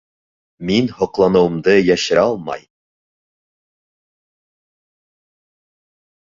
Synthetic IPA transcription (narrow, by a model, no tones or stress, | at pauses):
minhŏqlˠɑnɤ̆wɤ̆md̪ɤjæʃɘɾæɒlˠmɑ̰j